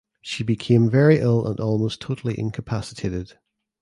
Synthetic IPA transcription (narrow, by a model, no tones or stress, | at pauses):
ʃibɪkʰẽɱvɛɹiʔɪlˠə̰̃nʔɔlˠmostʰoʔəl̩ˠiʔɪ̰̃nkʰəpʰasɪ̥tʰeʔɪd̥